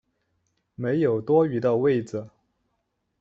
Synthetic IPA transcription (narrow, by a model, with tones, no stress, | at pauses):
me˧˥ɪjo˨˩ʊt̪wɔ˥y˧˥d̪ə˧we˥˩ɪd͡z̩˩